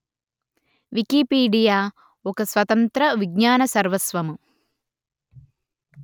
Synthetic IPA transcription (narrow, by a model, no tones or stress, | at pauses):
ʋikiːpiːɖijaː | okɐsʋɐt̪ɐnt̪ɾɐʋiɡɲaːnɐsɐɾʋɐsʋɐmu